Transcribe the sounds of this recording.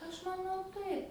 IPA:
ˈɐʃ mɐˈnɐʊ ˈtɐɪp

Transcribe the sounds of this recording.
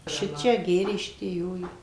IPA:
ˈʃʲɪt͡ʃʲɛ ˈɡʲeːrʲeː ˈʃʲɪtʲiɛ ˈjoː ˈjoː

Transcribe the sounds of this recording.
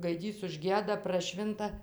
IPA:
ɡɐɪˈdʲiːs ʊʒʲˈɡʲiɛdɐ prɐˈʃʲʋʲɪntɐ

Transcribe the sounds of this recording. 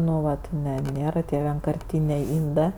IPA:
ˈnʊ ˈʋɐt ˈnʲɛ ˈnʲeːrɐ tʲiɛ ʋʲiɛŋkɐrʲˈtʲiːnʲeː ˈɪndɜ

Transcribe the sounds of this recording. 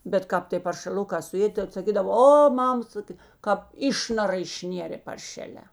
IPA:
bʲɛt ˈkɑːp tʲeː pɐrʲʃʲɛˈlˠʊkɑː sʊˈeːdʲeː tɐt sɐˈkʲiːdɐʋoː ˈoː ˈmɐm ˈsɑːkʲeː kɑːp ˈɪʃnɐrɐ ɪʃʲˈnʲeːrʲeː pɐrʲˈʃʲæːlʲɛː

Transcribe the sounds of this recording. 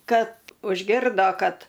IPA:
ˈkɐt ʊʒʲˈɡʲɪrdoː ˈkɐt

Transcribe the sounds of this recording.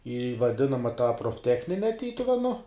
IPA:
iː ʋɐˈdʲɪnɐmɐ tɑː proːfʲˈtʲæːxʲnʲɪnʲɛ ˈtʲiːtʊʋʲɛnʊ

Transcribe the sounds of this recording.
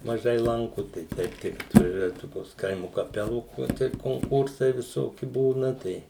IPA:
mɐˈʒɐɪ ˈlˠɐŋkʊ tɐɪ ˈtʲɛɪp tʲɪk ɐtʋɐˈʒʲuɔjɛ ˈtoːkʲoːs ˈkɐɪmʊ kɐˈpʲæːlˠuː oː ˈtɐɪp koːŋˈkʊrsɐɪ ʋʲɪˈsoːkʲɪ ˈbuːnɐ ˈtɐɪ

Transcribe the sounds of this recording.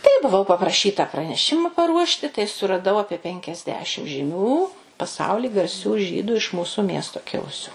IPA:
tɐɪ bʊˈʋɐʊ pɐprɐˈʃʲiːtɐ prɐnʲɛˈʃʲɪmɐ pɐˈruɔʃʲtʲɪ tɐɪ sʊrɐˈdɐʊ ˈɑːpʲiɛ pʲɛŋʲkʲɛzʲˈdʲæːʃʲɪm ʒʲɪˈmʲuː pɐˈsɐʊlʲɪ ɡɐrʲˈsʲuː ˈʒʲiːdʊ ɪʃ ˈmuːsʊ ˈmʲiɛstoː ˈkʲɪlˠʊsʲʊ

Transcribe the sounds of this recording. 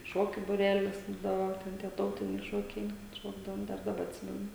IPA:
ˈʃoːkʲʊ bʊˈrʲæːlʲɪs ˈbuːdɐʋoː ˈtʲɛn tʲiɛ ˈtɐʊtʲɪnʲɛɪ ʃoːkʲɛɪ kɐt ˈʃoːɡdɐʋoːm ˈdɐr dɐˈbɐ ɐtʲˈsʲɪmʲɛnʊ

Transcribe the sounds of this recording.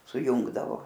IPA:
sʊˈjʊŋɡdɐʋoː

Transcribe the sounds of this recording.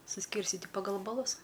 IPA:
sʊˈsʲkʲiːrʲsʲtʲɪtʲɪ pɐˈɡɐlˠ bɐˈlˠʊs

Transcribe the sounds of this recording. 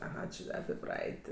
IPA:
ɐˈɣɐ t͡ʃʲɪ ɐpʲɪ ˈprɐɛɪtʲ

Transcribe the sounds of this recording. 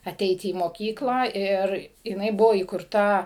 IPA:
ɐˈtʲɛɪtʲɪ iː moːˈkʲiːklˠɑː ˈɪr jɪˈnɐɪ ˈbʊʋoː iːkʊrˈtɐ

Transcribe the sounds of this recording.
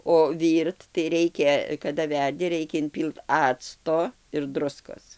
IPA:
oː ˈʋʲiːrt tɐɪ ˈrʲɛɪkʲɛ kɐdɐ ˈʋʲɛrʲdʲɪ ˈrʲɛɪkʲɛ ɪnʲˈpʲiːlˠt ˈɑːt͡stoː ɪr ˈdrʊskoːs

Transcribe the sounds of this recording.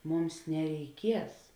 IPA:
ˈmʊms nʲɛrʲɛɪˈkʲiɛs

